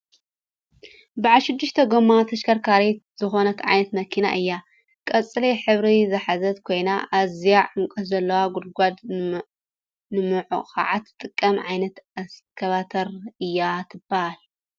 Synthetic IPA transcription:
baʕalʃɨd̪ːɨʃt̪ʰɐɡomat̪ʰɐʃkʰɐɾkʰaɾet̪z̥ɨxo̞nɐkʰʕa̰jnɐt̪mɐkʰina̰ʔɨjːa | kʼɐt͡sʼːɨliħɨβɾizɨħazɐt̪kʰo̞jnaʔazijaʕʕuŋkʼɐszɐlːɐwaɡud̪̚ɡʷad̪ | nɨmɨʕṵxʰa̰ʕat̪ːɨt̪ʼɨkʼːɐmʕajnɐt̪askʰɐβat̪ʰɐɾɨjːat̪ʰɨbahal

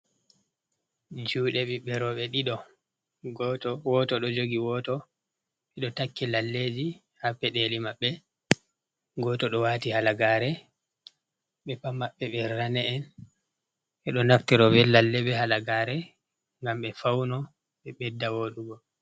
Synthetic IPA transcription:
d͡ʒuːɗɛɓiɓɛɾɔɓɛɗiɗɔ | ɡɔtɔwɔtɔɗɔd͡ʒoɡiwɔtɔ | ɓɛɗɔtakːilalːed͡ʒi | hapːɛɗelimaɓːɛ | ɡɔtɔɗɔwaːtihalaɡaɾɛ | ɓɛpamaɓːɛɓɛɾanɛːn | ʔɛɗɔnaftɛɾɔvɛlːalːɛbɛhalaɡaɾɛ | ŋɡamɓɛfawnɔ | ɓɛɓɛdːawoɗuɡɔ

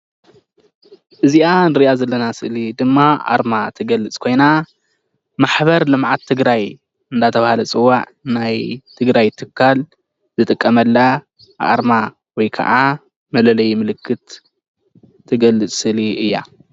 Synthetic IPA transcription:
ʔɨziʔanɨɾiʔazɐlːɐnasɨʔlid̪ɨmːaʔa̰ɾmat̪ʰɨɡɐlːɨt͡sʼkʰo̞jna | maħbɐɾlɨmʕat̪ʰːɨɡɾaj | ɨnd̪at̪ʰɐβahalɐt͡sʼɨwːaʕ | najt̪ʰɨɡɾajt̪ʰɨkʰːal | zɨt̪ʼɨkʼːɐmɐlːa | ʔa̰ɾma | wɔjkʰɐ̰ʔa | mɐlɐlɐjmɨlɨkʰːɨt̪ | ɨɡɐlːɨt͡sʼsɨʔliʔɨjːa̰

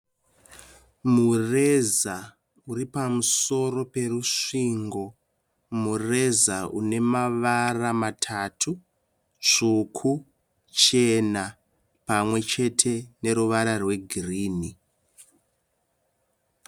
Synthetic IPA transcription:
mure̞za | uɾipamuso̞ro̞pe̞ruʂiːŋɡo̞ | mure̞zaune̞maʋaramatʰaːtʰu | t͡ʂukʰu | t͡ʃe̞na | pamwe̞t͡ʃe̞tʰe̞ne̞ɾuʋaɾarwe̞ɡʱiriːni

